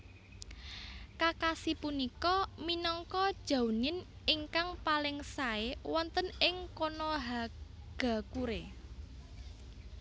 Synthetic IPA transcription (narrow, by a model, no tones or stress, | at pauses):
kakasipunikɔminɔŋkɔd̥ʒ̥a̤wnɪniŋkaŋpalɪŋsaewɔnt̪ənɪŋkonɔɦa | ɡ̥a̤kuɾe